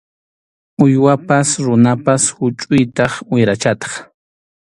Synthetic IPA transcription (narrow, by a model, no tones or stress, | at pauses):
ʊjwapasɾʊnapashʊt͡ʃʼʊjt̪ɑχʊjɾat͡ʃat̪ɑ̥χ